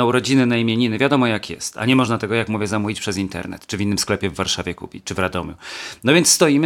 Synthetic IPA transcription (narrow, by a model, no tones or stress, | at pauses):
auɾɔd͡ʑinɘnaimʲjeɲinɘvʲjad̪ɔmɔjakjɛ̰st̪a̰ɲɛmɔʐnat̪ɛɡɔjakmuvʲjɛzamuvʲit͡ɕpʂɛzint̪ɛ̰ɾnɛ̰t̪t͡ʂɘvʲinːɘmsklɛpʲjɛvːaɾʂavʲjɛkupʲit͡ʂɘvɾad̪ɔmʲjṵnɔvʲjɛnt̪sst̪ɔjimɘ